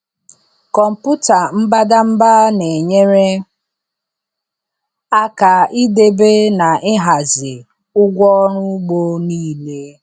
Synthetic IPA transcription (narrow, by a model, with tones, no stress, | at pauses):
kɔ˨m̩˨pʊ˦ta˨m̩˦ba˦da˦m̩˦ba˦ne˨ɲe˦ɾe˦ | a˦ka˨i˦de˨be˦na˨ʔɪ˦ɦa˨zɪ˨ | ʊ˦ɡʷɔ˦ɾʊ˦ɡ͡bo˦niː˦le˦